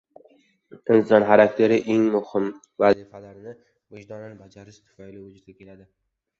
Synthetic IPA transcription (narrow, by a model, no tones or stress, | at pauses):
ɪnzɒnχaɾak̚ʲt̪ʰe̞ɾɪʔe̞ŋmʊhɪm | vazifalaɾnɪ | vʊd͡ʒd̪ɒnɪnɪbad͡ʒaɾɪʃt̪ʰʊ̥fajlɪvʊd͡ʒʊd̪ɡʲakʲʰe̞lad̪ɪ